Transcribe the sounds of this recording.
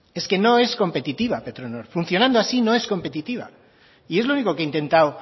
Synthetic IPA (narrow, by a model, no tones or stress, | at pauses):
e̞ske̞no̞e̞sko̞mpe̞t̪it̪iβape̞t̪ɾonoɾfunθjo̞nãnd̪oasino̞e̞sko̞mpe̞t̪it̪iβa̰ | ie̞zlouniko̞keint̪e̞nt̪aw